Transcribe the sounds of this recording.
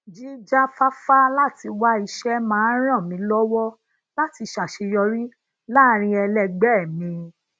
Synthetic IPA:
d͡ʒi˦d͡ʒa˦fa˦fa˦la˦ti˧wa˦i˧ʃɛ˦mãː˨˦ɾ̃ã˦˨mĩ˨˧˦lɔ˦wɔ˦ | la˦ti˨˧ʃa˨ʃe˧jɔ˧ɾĩ˦ | laː˦˨ɾ̃ĩ˧˦ɛ˧lɛ˧ɡ͡bɛ˦˨mĩ˧

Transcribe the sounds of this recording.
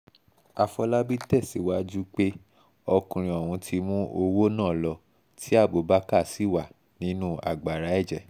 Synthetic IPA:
a˧fɔ˧la˦bi˦tɛ˦˨si˨˦wa˦d͡ʒu˦k͡pe˦ | ɔ˧kũ˧ɾ̃ĩ˧ɔ˨wũ˧tʰi˧mũ˦ʔo˧wo˦nãː˦˨lɔ˧ | tʰi˦a˦˨bo˨˦ba˦ka˦˨si˦˨wa˦˨ | nĩ˨˦nũ˦a̰˨ɡ͡ba˨ɾa˨˦ɛ˦˨d͡ʒɛ˨

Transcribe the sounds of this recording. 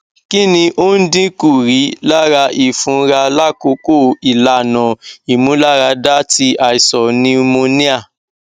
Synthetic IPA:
ki˦nĩ˧ʔo˦n̩˦dĩ˦ku˦˨ɾi˨˦la˦ɾa˧ʔi˨fũ˨˦ɾa˧la˦ko˨˦ko˦˨i˨la˨˦˨nɔ̃˨i˨mũ˨˦la˦ɾa˧da˦ti˧ʔa˨i˨sɔ˨nĩ˦mo˧nĩ˦a˦˨

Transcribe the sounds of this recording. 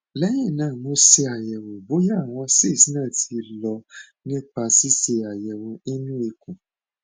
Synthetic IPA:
lɛ˦jɛ̃˦˨nãː˦˨mo˨˦se˧a˨jɛ˨wo˨bo˨˦ja˦a˨w̃ɔ̃˧se˦˨si˦nãː˦˨tʰi˧lɔ˧ | nĩ˦pa˧si˦se˧˨a˨jɛ˨wɔ̃˨e˦nũ˦e˧kũ˨

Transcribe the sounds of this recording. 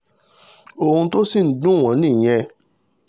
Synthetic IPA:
o˧hũ˧to˦si˦˨n̩˨˦dũ˦˨w̃ɔ̃˨˦nĩ˦˨j̃ɛ̃˧

